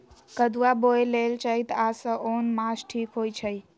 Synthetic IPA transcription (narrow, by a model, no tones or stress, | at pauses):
kəd̪uaboelelt͡ʃəit̪asəʔonmasʈʰikɦojt͡ʃʰəj